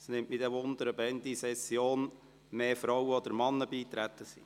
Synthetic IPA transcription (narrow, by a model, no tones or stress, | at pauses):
snɪmʔmid̪ɛʋʊnd̪əɾəbɛnd̪isɛsjoːn | meːfɾɔwəɔd̪əɾmɑnːəbiːt̪ɾæt̪ːəsḭ